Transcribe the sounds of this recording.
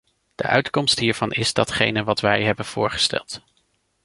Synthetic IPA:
d̥ə̰ʔœ̰ɥtkɔmstɦiːɹv̥ɑnʔɪzdɑtχejnəʋɑtʋɛjɦɛbənv̥ʊːɹχə̥stɛ̰lˠt

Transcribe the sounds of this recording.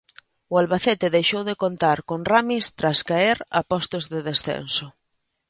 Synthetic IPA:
ʊalβaθɛt̪ɪðejʃowðekont̪aɾkonramist̪ɾaskaeɾa̰pɔst̪ozðeðesθḛnsʊ

